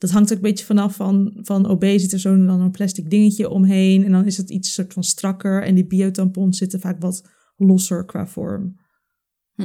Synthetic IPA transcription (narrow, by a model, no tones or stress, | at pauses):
d̥ɑtɦɑŋtokəmbejəvɑnɑfɑnvɑno̰bejzɪtəɹzowndɑnonplɛstɪɡ̚dɪŋəcəʔɔmɦejnɛndɑnɪsətḭtsːʊːɹtfɑnstrɑkəɹɛ̰ndibiowtɑmpɔnszɪtəfaːkʋɑt | lɔsəɹkʋa̰ːvɔ̰ɹm